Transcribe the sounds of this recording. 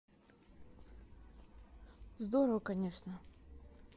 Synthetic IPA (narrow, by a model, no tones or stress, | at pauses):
zd̪oɾəvəkɐnʲeʂnə